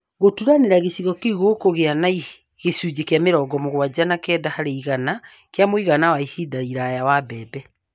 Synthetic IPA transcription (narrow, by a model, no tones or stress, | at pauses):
ɣotuɾaneɾaɣesiɣɔkeɣokoɣeanai | ɣesud͡ʑekjameɾɔɡɔmoɣwad͡ʑanakɛdahaɾeiɣana | kjamoiɣanawaihidaiɾajawabɛːbɛ